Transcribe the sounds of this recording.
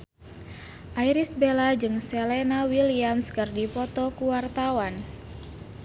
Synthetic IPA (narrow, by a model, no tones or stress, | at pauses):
ʔaiɾisbelad͡ʒɨŋselenawiliamskɨrdipɔt̪ɔkuwart̪awan